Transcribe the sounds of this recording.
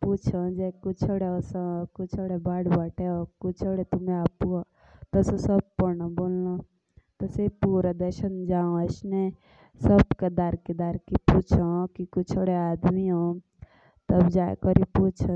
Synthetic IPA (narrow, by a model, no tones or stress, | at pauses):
put͡ʃʰɔd͡ʒekut͡ʃʰoɽeɔsɔ̃kut͡ʃʰɔɽebaɽbaʈʰeɔkut͡ʃʰoɽet̪umẽapu | t̪ɔsɔ̃səb̚pɔɾnabollo | t̪ɔsepuɾad̪əɾʃənd͡ʒaõəsne | səbked̪aɾked̪aɾkiput͡ʃʰɔkikut͡ʃʰɔɽead̪miɦõ | t̪əbd͡ʒaḛkɔɾiput͡ʃʰɔ